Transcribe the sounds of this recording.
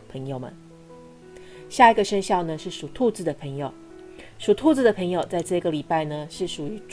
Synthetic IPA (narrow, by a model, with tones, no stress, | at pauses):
pʰə˧˥ŋjo˨˩ʊmə̰˨˦n | ɕja˥˩i˧˥ɡə˧ʂə˥nɕjɑ˥˩ʊnə˩ʂɻ̩˥˩ʂu˨˩t̪ʰu˥˧t͡sɹ̩˥˩d̪ə˩pʰɤ˧˥ŋjo˨˩ʊ | ʂu˨˩t̪ʰu˥˧t͡sɹ̩˥˩d̪ə˨˩pʰɤ˧˥ŋjo˨ʊt͡sa˥˧ɪʈ͡ʂɤ˥˧i˧˥ɡə˨li˨˩pa˥˩ɪnə˩ʂɻ̩˥˩ʂu˨˩y˧˥ʈ͡ʂ